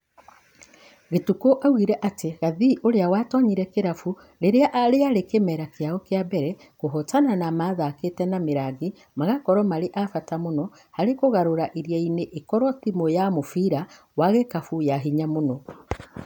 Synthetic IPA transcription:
ɣetukoʔawɣiɾɛʔateɣaðiʔoɾeawatwaɲiɾɛkeɾafu | ɾeɾeaʔɾeaɾekemɛɾakeaɣɔkeabɛɾɛ | koɦɔtananamaðaketɛnameɾaɣi | maɣakɔɾɔmaɾeʔafatamonɔ | haɾekoɣaɾoɾaʔiɾjaineʔekɔɾɔtimojamofiɾa | waɣekafujaɦiɲamonɔ

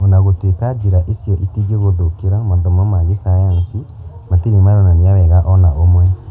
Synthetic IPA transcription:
onaɣotwekad͡ʒeɾaʔesijɔʔetiɣeɣoðokeɾamaðɔmɔmaɣesajansi | matenemaɾɔnaneawɛɣaʔɔnaomwɛ

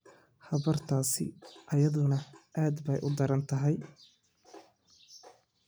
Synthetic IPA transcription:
hɐβɐrt̪ʰaːsɪ̰ʔɐjɐðʊnɐʔaːd̪bɛjʔʊd̪ɐɾɐnt̪ʰɐɦɛj

